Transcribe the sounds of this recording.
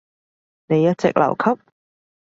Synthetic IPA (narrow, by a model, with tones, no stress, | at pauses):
ne˨˧jːɐ˥t̚t͡sɛ̰˨k̚lɐ̰˨˩wkʰɐ˥p̚